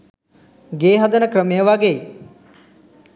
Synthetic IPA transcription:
ɡeːɦɐd̪ɐnɐkɾəmejəʋaɡej

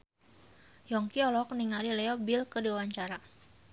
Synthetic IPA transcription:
jɔŋkiɔlɔkniŋalilɛɔbilkədiwawaɲt͡ʃaɾa

